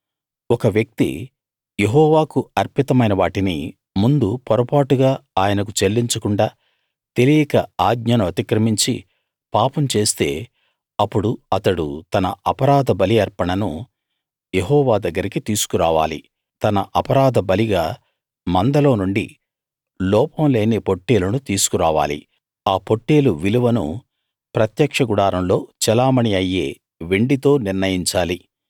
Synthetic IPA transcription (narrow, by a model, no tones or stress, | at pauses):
ɔkɐʋjɐk̚t̪ḭ | je̞ɦɔːʋaːkuɐɾpit̪ɐmɐjnɐʋaːʈinḭ | mund̪upɔɾɐpaːʈuɡaːaːjɐnɐk̬ut͡ʃelːiɲt͡ʃɐkuɳɖaː | t̪e̞lijɐkɐaːɡɲɐnɐmɐt̪ikɾɐmiɲt͡ʃi | paːpɐmt͡ʃe̞ːst̪e̞̰ː | ɐpːuɽuɐt̪ɐɽṵt̪ɐnɐɐpɐɾaːd̪ɐbɐliɐɾpɐɳɐnṵ | jeɦɔːʋaːd̪ɐɡːɐɾikit̪iːsu̥kuɾaːʋa̰ːlḭ | t̪ɐnɐʔɐpɐɾaːd̪ɐbɐliɡaː | mɐnd̪ɐlo̞ːnuɳɖḭ | lɔːpɐmle̞ːnepo̞ʈːe̞ːlɐnut̪iːsu̥kuɾaːʋa̰ːlḭ | aːpo̞ʈːeːluʋiluʋɐnṵ | pɾɐt̪jɐkʂɐɡuɽaːɾɐmlo̞ːt͡ʃɛlaːmɐɳiɐjːe̞ː | ʋeɳɖit̪o̞ːniɾnɐjiɲt͡ʃaːli